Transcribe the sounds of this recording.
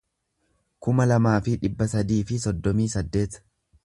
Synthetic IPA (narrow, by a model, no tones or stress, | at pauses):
kʊmɐlɐmaːfɪᶑɪbːɐsɐd̪iːfɪsɔd̪ːɔmiːsɐd̪ːe̞ːt̪